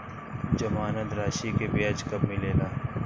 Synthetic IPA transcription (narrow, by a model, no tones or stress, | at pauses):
d͡ʒɐmaːnət̪ɾaːʃikebjaːd͡ʒkɐbmɪleːlaː